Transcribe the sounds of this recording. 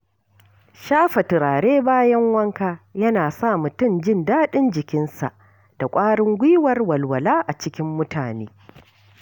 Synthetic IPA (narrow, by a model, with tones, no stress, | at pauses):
ʃaː˦ɸɐ˨tɪ˨ɾaː˨ɽeː˦baː˦jɐ˦ŋwɐ˦ŋkaː˦jɐ˦naː˨sa˦˨mʊ˨tʊ˦˨nd͡ʒɪ˦ndaː˦ɗɪ˦nd͡ʒɪ˨kʲɪ˦nsa̰˨ʔ | d̥a˨kʷʼaː˦ɽɪ˦ŋɡʷiː˦wɐ˦rwɐ˨lwɐ˨laː˦ʔa˨t͡ʃɪ˦kʲɪ˦mːʊ˦tʰaː˨nḛː˦